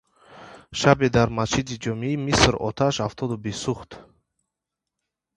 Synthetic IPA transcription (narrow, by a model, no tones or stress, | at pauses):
ʃabed̪aɾmast͡ʃʰid̪id͡ʒɔmimisɾɔ̰t̪ʰaʃhaft̪ʰɔd̪ubisuχt̪